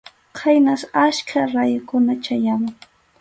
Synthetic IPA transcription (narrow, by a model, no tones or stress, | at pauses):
qʰajnasaʃkʰaɾajʊkʊnat͡ʃajamʊŋ